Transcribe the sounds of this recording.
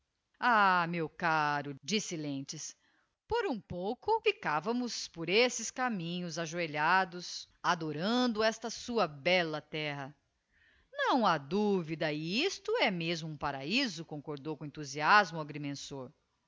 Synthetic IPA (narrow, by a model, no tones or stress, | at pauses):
amewkaɾʊd͡ʒisɪlẽt͡ʃɪs | poɾũpowkʊfikavɐmʊspoɾesɪskamĩɲʊzaʒueʎad̪ʊs | ad̪oɾɐ̃d̪ʊɛst̪ɐsuɐbɛlɐt̪ɛɦɐ | nɐ̃w̃ad̪uvid̪ɐɪist̪ʊɛmezmʊũpaɾaizʊkõŋkoɾd̪owkõẽnt̪uziazmʊaɡɾimẽsoɾ